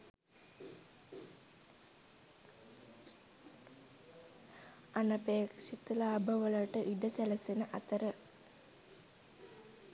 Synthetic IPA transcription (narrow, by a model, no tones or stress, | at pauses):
ɐnɐpeːkʂit̪ːɨlaːbʱɐʋɐɭɐʈːɨʔiɖɐselɐsinɨʔɐt̪ːɐɾɨ